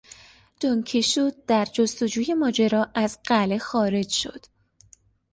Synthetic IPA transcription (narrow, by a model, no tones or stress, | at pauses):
d̪̥oŋcʰiʃoːd̪̚d̪̥æɾd͡ʒost̪o̞d͡ʒuːje̞mɒːd͡ʒeɾɒːʔæzɢæle̞xɒːɾe̞d͡ʒʃo̞̰d̪̥